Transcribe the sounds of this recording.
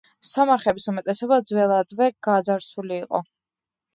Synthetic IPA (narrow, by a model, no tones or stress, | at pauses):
samaɾχɛbisumɛt̪ʼɛsɛbad̪zwɛlˠad̪vɛɡ̥azaɾsuliːqʼɔ̰